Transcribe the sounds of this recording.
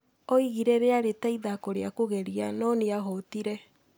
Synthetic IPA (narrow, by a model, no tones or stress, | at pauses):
oiɣiɾɛɾeaɾetaiðakoɾeakoɣɛɾianɔniaɦɔtiɾɛ